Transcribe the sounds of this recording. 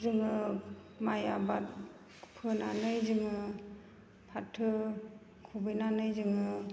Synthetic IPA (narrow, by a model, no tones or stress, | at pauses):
zɯŋɯ | majabat̚ | pʰɯnanɯjzɯŋɯ | pʰatʰːɯ | kʰubɯjnanɯjzɯŋɯ